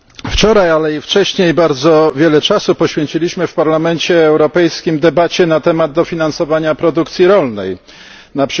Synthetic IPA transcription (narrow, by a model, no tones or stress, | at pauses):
ft͡ʂɔɾajalɛift͡ʂɛɕɲejbaɾd̪zɔvʲjɛlɛt͡ʂasupɔɕfʲjeɲt͡ɕilʲiɕmɘfpaɾlamɛnt͡ɕɛːwɾɔpɛjskʲimd̪ɛbat͡ɕɛnat̪ɛmad̪̚d̪ɔfʲinansɔvaɲapɾɔd̪ukt̪sʲjiɾɔlnɛ̰j | napʂ